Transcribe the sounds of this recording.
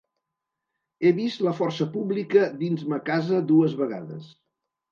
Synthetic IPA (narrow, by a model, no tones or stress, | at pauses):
eβist̪ləfɔrsəpuβlikəd̪inzməkazəd̪uəzβəɣa̰ðə̰s